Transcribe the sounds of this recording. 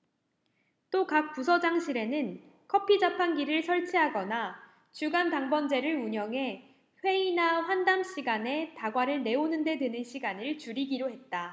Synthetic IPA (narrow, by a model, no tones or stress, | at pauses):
t͈okak̚p͈us̬ʰʌd͡ʑaŋɕʰiɾe̞nɯn | kʰʌpʰid͡ʑapʰanɡiɾɯɭsʰʌɭt͡ɕʰiɦaɡʌna | t͡ɕuɡantaŋbʌnd͡ʑe̞ɾɯɭuɲʌŋɦe̞ | ɸwe̞inaɸwandamɕʰiɡane̞taɡwaɾɯɭne̞onɯnde̞dɯnɯnɕʰiɡanɯɭt͡ɕuɾiɡiɾoɦe̞t̚t͈a